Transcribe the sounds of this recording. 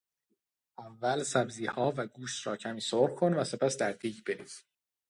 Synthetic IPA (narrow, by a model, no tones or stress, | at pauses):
ʔævːælsæbziːhɒːvæɡuːʃt̪ɾɒːcʰæmiːsoɾkʰo̞nvæse̞pʰæsd̪æɾd̪iːcbe̞ɾḭːz̥